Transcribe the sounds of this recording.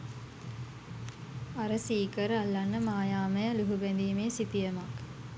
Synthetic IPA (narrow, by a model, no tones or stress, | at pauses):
aɾəsiːkəɾəalːanːəmaːjaːməjəluɦubænd̪iːmeːsit̪ijəmak